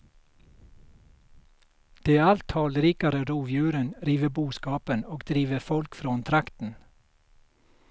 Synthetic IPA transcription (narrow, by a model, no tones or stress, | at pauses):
d̪̥eːæɑlt̪ʰɑːlɾiːkɑɾəɾuːʋjʉːɾənɾiːʋəbuːskɑːpənoːɡd̪̥ɾiːʋəfɔlkfɾoːʊnt̪ʰɾɑkt̪n̩